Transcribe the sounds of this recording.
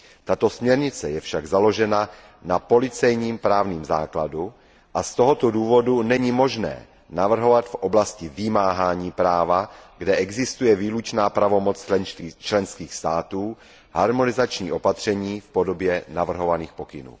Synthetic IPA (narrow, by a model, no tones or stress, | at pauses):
t̪at̪o̞smɲɛɾɲɪt͡sɛjɛfʃaɡzalo̞ʒɛna | napo̞lɪt͡sɛjɲiːmpɾaːvniːmza̰ːkladu | ʔast̪oɦot̪oduːvo̞dunɛɲɪmo̞ʒnɛ̰ː | navr̩ɦo̞vat̪fʔo̞blascɪvɪmaːɦaːɲiːpɾaːvaɡdɛʔɛɡzɪst̪ujɛviːlut͡ʃnaːpɾavo̞mo̞t͡st͡ʃlɛnskiːxst̪aːt̪uː | ha̰ɾmo̞nɪzat͡ʃɲḭːʔo̞pat̪r̝̥ɛɲiːfpo̞do̞bjɛnavr̩ɦo̞vaniːxpo̞kɪnṵː